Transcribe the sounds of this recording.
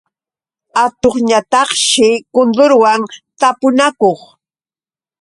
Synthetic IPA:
at̪oχɲat̪ɑχʃɪkʊnd̪ʊɾwaŋt̪apʊnakoχ

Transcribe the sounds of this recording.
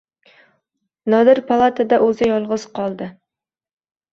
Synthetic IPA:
nɒd̪ɪɾpʰɑlˠat̪ʰad̪aʔɵzɪjɒlˠʁəz̥qʰɑlˠd̪ɨ

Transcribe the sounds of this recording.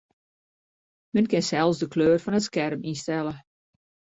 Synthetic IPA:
mənkɪnsɛlˠsdəkløːrfɔnətskɛrminstɛlə

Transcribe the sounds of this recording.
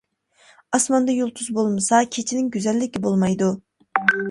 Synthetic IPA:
ɑsmɑnd̪ɑjolˠt̪ʰuzbolˠmɨsɑkʲʰet͡ʃʰinɪŋɡʲyzɛlːɪkʲibolˠmɑjd̪u

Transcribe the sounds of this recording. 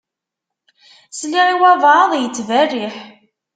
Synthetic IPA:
sliʁiwævˤɑðˤjət͡sːværːiħ

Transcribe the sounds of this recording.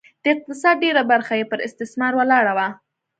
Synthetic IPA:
d̪̥əɪq̚t̪ɪsɑd̪̚ɖeɾabaɾxajepəɾɪ̰st̪ɪsmɑɾwəlɑɽawa

